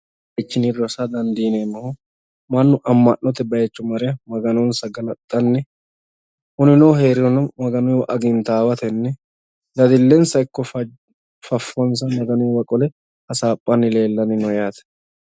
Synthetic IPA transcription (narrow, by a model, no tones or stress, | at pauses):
ɐt͡ʃːɪniɾɔsɐd̪ɐnd̪iːnenːɐhʊ | mɐnːʊʔɐmːɐnːɔt̪ɛbɐjɛt͡ʃːʊmɐɾɛjɐmɐɡɐnɔnsɐɡɐnɐt̪ʼːɐnːɛ | hʊnɪnɔːɦe̞ːɾɪɾɔnɐmɐɡɐnʊwʔɐɡɪnt̪aːwɐt̪ɛnːɛ | d̪ɐd̪ɪlːɛnsɐɪkːɔf | fɐfːɔns̬ɐmɐɡɐnʊjwɐkʼɔlɛ | ɐsaːpʼːɐnːɪle̞ːlːɐnɪnɔjaːt̪ɛ̥